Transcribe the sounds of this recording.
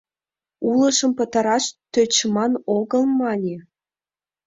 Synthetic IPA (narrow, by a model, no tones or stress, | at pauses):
ulɤ̆ʃɤ̆mpɤ̆t̪ɑ̆ɾɑʃt̪øt͡ɕmɑnoɣɤ̆lˠmɑnʲe